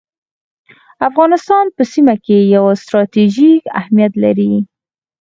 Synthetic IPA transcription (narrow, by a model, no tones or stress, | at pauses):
afɣɑnɪst̪ɑnpəsimakejawst̪ɾɑt̪eʒika̰hmijat̪la̰ɾi